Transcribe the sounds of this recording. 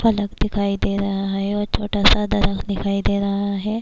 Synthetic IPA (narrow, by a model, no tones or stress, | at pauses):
fɐləkd̪ɪkʰaːid̪eːɾɐɦaɦɛɔːɾt͡ʃʰoːʈaːsad̪ɐɾəkd̪ɪkʰaːid̪eːɾɐɦaɦɛː